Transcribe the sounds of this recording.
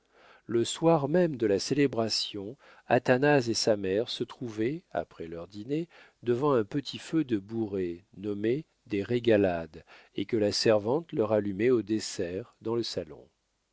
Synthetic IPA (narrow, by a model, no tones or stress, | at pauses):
ləswaʁmɛmd̪əlaselebʁasjɔ̃ | a̰t̪anazesamɛʁsət̪χuvɛa̰pχɛlœʁd̪ine | d̪əvɑ̃ɛ̃pət̪ʰifød̪əbuʁenɔme | d̪eʁeɡalad̪ekəlasɛʁvɑ̃t̪lœʁalymɛod̪esɛʁd̪ɑ̃ləsalɔ̰̃